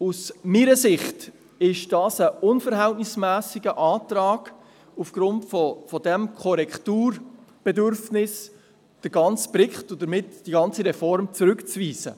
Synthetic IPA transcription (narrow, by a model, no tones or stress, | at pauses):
usmiːɾəsɪχt | ɪʃd̥ɑːsəʊnfəɾɦɛltnɪsmæːsɪɡəʔɑːtɾɑːɡ̥ | ufɡ̥ɾʊntfɔfɔdɛmkʰɔɾɛktuːɾb̥ɛdøɾfnɪs | d̥əɾɡɑnt͡sb̥ɾɪkχtʊdəɾmɪtd̥iɡɑnt͡siɾɛfɔɾmt͡suɾʉkt͡sviːzə̰